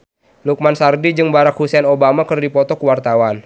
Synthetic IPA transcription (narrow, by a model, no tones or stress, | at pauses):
luk̚mansardid͡ʒɨŋbaɾak̚husɛnobamakɨrdipɔt̪ɔkuwart̪awan